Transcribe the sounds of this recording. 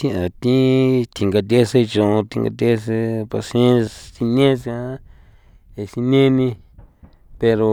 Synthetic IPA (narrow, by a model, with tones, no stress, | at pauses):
t̪ĩ˦ʔã˨t̪ĩ˦t̪ʰi˧ŋɡa˧t̪̬e˦se˦˧t͡ʃõ˧˨õ˧t̪i˧ŋɡa̰˧t̪̬ʲe˦s̬e˧pa˧sẽ˦˧si˧nẽ˦s | e˨si˧nẽ˦nĩ˧ | pe˧ɾo˧